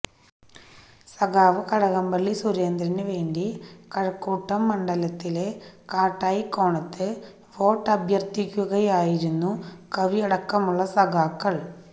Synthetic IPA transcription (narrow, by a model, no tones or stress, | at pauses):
sɐɣaːʋɨkɐɽɐɣɐmbɐɭːisuɾe̞ːnd̪ɾɐnɨʋe̞ːɳɖikɐɻɐkːuːʈːɐmːɐɳɖɐlɐt̪ːile̞kaːʈːaːjikːo̞ːɳɐt̪ːɨ | ʋo̞ːʈːɐbʱjɐrt̪ikʲːuɣɐjaːjiɾunːukɐʋiɐɽɐkːɐmuɭːɐsɐɣaːkːɐɭ